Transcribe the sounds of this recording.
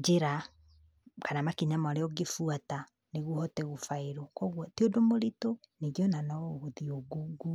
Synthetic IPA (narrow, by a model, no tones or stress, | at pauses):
d͡ʒeɾa | kanamakiɲamaaɾeɔɡefuata | neɣuhɔtɛɣofaeɾokɔɣwɔteodomoɾitoneɡɔnanaɣoðioɡuɡu